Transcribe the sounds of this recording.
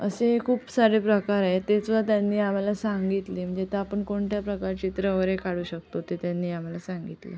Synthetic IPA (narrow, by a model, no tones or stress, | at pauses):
ə̰sekʰuːpsaɽepɾəkaɾaɦet̪et͡sʋat̪janːiːam̤alasaŋɡit̪liːm̤əɳd͡zet̪eapəɳkoɳʈjapɾəkaɾt͡ɕit̪ɾəʋəɾekaɽ̤uːɕək̚t̪ot̪et̪janːiːam̤alasãŋɡit̪lə̰